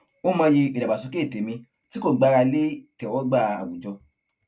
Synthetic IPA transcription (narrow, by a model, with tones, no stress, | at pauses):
o˦mã˧ji˧i˨da˨ba˨su˨˦ke˦˨te˨˦mĩ˧ | ti˦ko˦˨ɡ͡ba˨˧ɾa˧le˦˨tɛ˨wɔ˦ɡ͡ba˦˧˨a̰˨wu˨d͡ʒɔ˧